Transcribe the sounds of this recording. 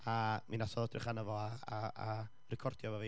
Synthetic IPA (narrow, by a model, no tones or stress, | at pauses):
aminasɔðɔdrɪχanəvɔaaa | rɛkʰɔrd̥jɔvave